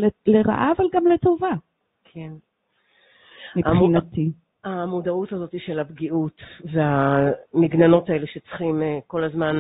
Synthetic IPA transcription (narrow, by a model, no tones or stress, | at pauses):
eleʁa̰ʔavalɡamleto̞va | kʰen | miaχinat̪i | amodautazo̞tiʃelabɡiʔutveamiɡnano̞tae̞leʃet͡sχimeko̞lazman